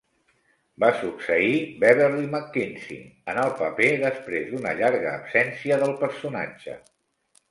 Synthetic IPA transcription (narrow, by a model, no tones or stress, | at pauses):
basuksəibɛβəɾliməkːinsḭnənəlˠpəpeðəspɾezd̪unə̰ʎaɾɣə̰ːpsɛnsiəðəlˠpəɾsuna̰d͡ʒə̰